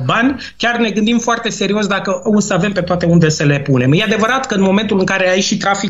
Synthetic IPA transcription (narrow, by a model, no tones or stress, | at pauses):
banʲ | kʲarne̞ɡɨnd̪imfoart̪e̞se̞ɾio̞s̬d̪akəusəave̞mpet̪oat̪e̞und̪e̞səle̞pune̞mjead̪e̞vəɾat̪kəɨnmo̞me̞nt̪ulɨŋkaɾe̞aiʃit̪ɾafi